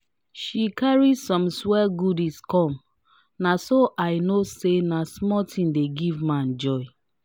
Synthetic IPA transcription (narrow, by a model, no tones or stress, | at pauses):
ʃikaɹisɔ̃mswɛlɡudiskɔ̃m | nasoʔaɪnosenasmɔtʰĩmdeɡivmãn̩d͡ʒɔɪ